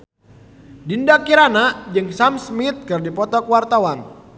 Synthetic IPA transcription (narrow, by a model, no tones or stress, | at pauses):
dindakiɾanad͡ʒɨŋsamsmit̪̚kɨrdipɔt̪ɔkəwart̪awan